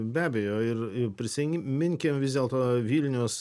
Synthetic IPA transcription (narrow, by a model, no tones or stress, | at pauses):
bʲæːbʲɛjoːɪrɪpʲɾʲɪsʲɪŋʲmʲɪŋʲkʲemʋʲɪzd̪ʲeɛːlˠt̪oːʋʲiːlʲnʲɛʊs